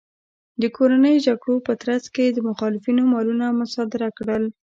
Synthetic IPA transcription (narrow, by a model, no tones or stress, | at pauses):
d̪əkʰoɾanəjʒaɡɽopət̪ɾazked̪əmʊxɑlɪfinomɑlunamʊsɑd̪ɪɾakɽəl